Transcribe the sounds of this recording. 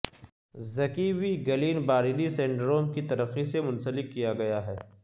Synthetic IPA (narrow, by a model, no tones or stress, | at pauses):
zɐkiwiɡɐliːnbaːɾɪd̪isẽːɳɖɾoːmkit̪ɐɾəqːisemʊnsəlɪkːijaɡɐjaɦɛː